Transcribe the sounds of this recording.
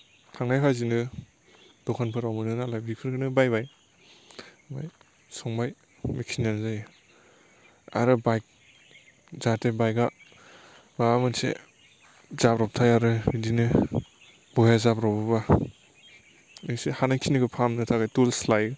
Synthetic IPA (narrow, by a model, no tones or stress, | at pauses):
tʰaŋnajpʰazinɯ | d̥ɔkʰanpʰɯɾawmɯnɯnalajbipʰɯɾkʰɯnɯbajbaj | ba̰j | sɔŋbaj | mikʰinanzaj | a̰ɾɯbajk̚ | zatʰebajɡa | bamɯnsḛ | z̥apɾap̚tʰajaɾɯidinɯ | bɔjazapɾawbɯba | ɯsehanajkʰinɯɡɯpʰamnɯtʰaɡajtulslaj